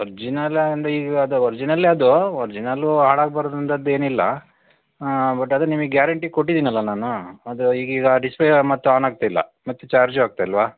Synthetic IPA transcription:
ɔɾd͡ʒinɐlːeɐnd̪ɐiːɡɐd̪uɔɾd͡ʒinɐlːeɐd̪uoɾd͡ʒinɐlːuɦaːɭaːɡ̚bɐɾoːd̪ɾɐnt̪ɐd̪e̞ːnilːɐ̰ | bɐʈːɐd̪ɐnimiɡjaːɾɐɳʈikoʈːid̪iːnɐlːɐnaːnuɐd̪uiːɡiːɡɐɖisplemɐt̪ːuaːnaːɡ̚t̪eilːɐ̰mɐt̪ːut͡ʃaːɾd͡ʒaːɡ̚t̪eɐlʋaː

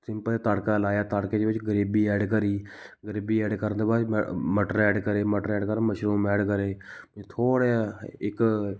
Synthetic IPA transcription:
sɪ̃mpəleːt̪aːɽkaːlaːjaːt̪aːɽkeːd̪eːbɪt͡ʃɡəɾiːbiːɛːɖkəɾiːɡəɾiːbiːɛːɖkəɾnd̪eːbaːɾməʈəɾɛːɖkəɾeːməʈəɾɛːɖkəɾməʃɾuːmɛːɖkəɾeːt̪ʰoːɽeːɪk

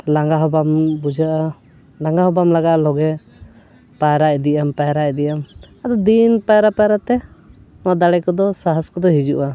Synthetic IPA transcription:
laŋɡaɦɔbambud͡ʒaʔa | laŋɡaɦɔbamlaɡaʔalɔɡɛ | pajɾaʔɛd̪ijampajɾaʔɛd̪ijamad̪ɔd̪inpajɾapaɾat̪ɛ | mad̪aɽɛkɔd̪ɔsaɦaskɔd̪ɔɦid͡ʒuʔa

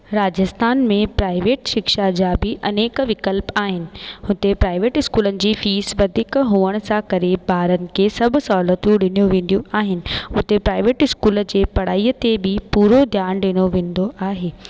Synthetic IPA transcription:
ɾaːd͡ʑəst̪ʰaːnmẽpɾaːɪʋeːʈʃɪkʃad͡ʑaːbɪʔɐneːkʋɪkəlpaːɦɪnɪ̆hʊt̪epɾaːɪʋeːʈɪskuːlənɪ̆d͡ʑiːfiːsʋɐd̪ʱɪkɦũːəɽ̃sãkɐɾebʱaːɾənɪ̆kʰesɐbʱʊ̆sɔːlət̪jũɗɪnijũʋẽːn̆d̪ijũaːɦɪnɪ̆ɦʊt̪epɾaːɪʋeːʈɪskuːld͡ʑeːpɐɽ̤aːiːət̪ebɪpuːɾod̪ʱjaːnɗɪñoʋẽːn̆d̪oʔaːɦeː

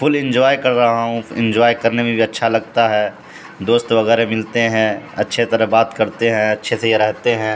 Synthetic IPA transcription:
fʰʊlɪ̃nd͡ʒɔːjkɐɾːɐɦaɦũɪ̰̃nd͡ʒɔːjkɐɾnemẽbʱiɐtːʃʰalɐɡ̚t̪aɦɛː | d̪oːst̪ʋɐɣɛːɾemɪlt̪eɦɛ̃ɐ̰tːʃʰet̪ɐɾəɦbaːt̪kɐɾt̪eɦɛ̃ɐtːʃʰesejeɾɛɦt̪eɦɛ̃ː

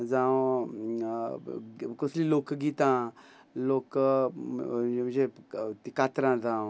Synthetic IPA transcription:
d͡zã | koslilokɡit̪ã | loːk | d͡ʒet̪ikat̪ɾãd͡zãːw̃

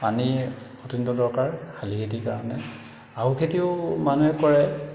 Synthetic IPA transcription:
pani | otundɔdɔɹkaɹkʰalikʰet̬ikaɹɔnɛ | aɦukʰetiʊmanuɦɛkɔɹɛ

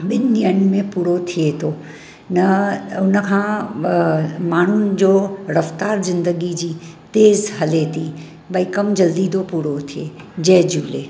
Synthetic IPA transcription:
ɓɪnniənmẽpuːɾot̪ʰiet̪ʰoː | nɐʊnəkʰãː | maːn̤ʊn̆d͡ʑoːɾɐft̪aːɾzɪ̃nd̪əɡid͡ʑiː | t̪eːzɦɐlet̪ʰi | ɓɐikɐmd͡ʑɐld̪id̪ʰopuːɾot̪ʰieː | d͡ʑɐːd͡ʑuːlḛː

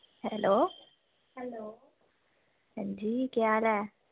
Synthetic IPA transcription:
hɛloː | hɛlo | d͡ʑiːkjala

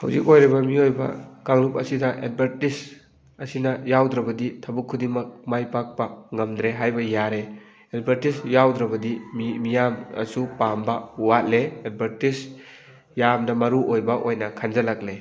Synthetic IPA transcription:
ha̰wzikojɾibɐmiojbɐ̰kaŋlup̚ɐ̰sidɐʔed̚bʱɐɾtis | ɐsinɐjawdɾɐbɐditʰɐbukʰːudimɐk̚majpak̚pɐŋɐmd̪ɾeɦajbɐjaɾe | ed̚bʱɐɾtisjawdɾɐbɐdimimijamɐ̰supambɐuwat̚leed̚bʱɐɾtis | jamnɐmɐɾuʔojbɐʔojnɐkʰand͡ʒɐlak̚le

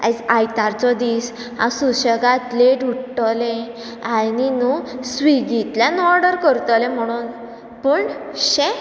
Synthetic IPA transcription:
ad͡zajt̪aɾt͡sɔd̪is | hã̰suɕəɡat̪leɖuʈɔlẽ | aninusʋiɡit̪ljanɔɾɖəɾkəɾt̪ɔlẽm̤əɽ̃uːn | pəːɳɕɛ̃

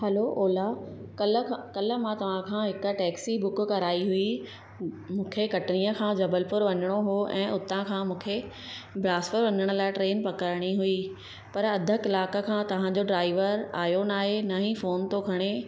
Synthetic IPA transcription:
hɐloʔoːlakɐlʰkɐlə̆mãt̪ɐʋ̤ãkʰãːɦɪk̆ʈɛːksibʊk̆kɐɾaːiɦʊi | mũːkʰekɐʈɪnijəkʰãːd͡ʑɐbəlpʊɾʋɐɲəɽ̃oɦoʔɛ̃ːʔʊt̪ãkʰãːmũːkʰe | blaːspəɾʋɐɲəɽ̃ʊ̆laːɪʈɾeːnpɐkəɾəɽ̃iɦʊi | pɐɾɐd̪ʱə̆kɪlaːkə̆kʰãːt̪ɐʋ̤ãd͡ʑoɖɾaːɪʋəɾa̰ːjonaːɦenɐɦĩfoːnt̪okʰɐɽ̃e

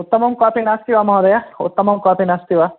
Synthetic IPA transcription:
ut̪ːɐmɐmkaːpinast̪iʋamawd̪ɐjaṵt̪ːɐmɐmkaːpinast̪iʋa

